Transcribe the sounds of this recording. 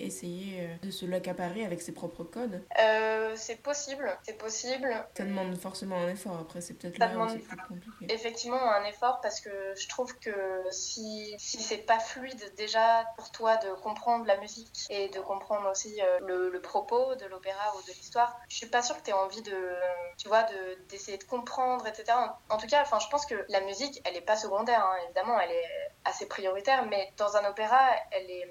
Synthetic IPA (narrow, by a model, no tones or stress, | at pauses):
ḛsejeød̪əsəlakapaʁeavɛksepχɔpχəkɔd̪øsɛpɔsiblsɛpɔsiblsad̪əmɑ̃d̪fɔʁsemɑ̃ɛ̃nefɔʁapχɛsɛpø̥ət̪ɛt̪ʰlsad̪əmɑ̃d̪ɛpykɔ̃plikʲeefɛk̚t̪ivmɑ̃ɛ̃nefɔʁpaʁsə̥kəʒət̪χuvkəsisisɛpaflɥid̪ːeʒapuʁt̪wad̪əkɔ̃pχɑ̃d̪ʁəlamyzikʲed̪əkɔ̃pχɑ̃d̪ʁosiølələpχɔpod̪əlopeʁaud̪əlist̪waːʁʒə̥sɥipasyʁkət̪yɛɑ̃vid̪ət̪yvwad̪əd̪esejed̪əkɔ̃pχɑ̃d̪ʁet̪set̪eʁaɑ̃t̪uk̬aɑ̃fɛ̃ʒəpɑ̃skəlamyzikʲɛlɛpasəɡɔ̃d̪ɛʁɛ̃evid̪amɑ̃ɛlɛasepχijɔʁit̪ɛʁmɛd̪̥ɑ̃zɛ̃nopeʁaɛlɛ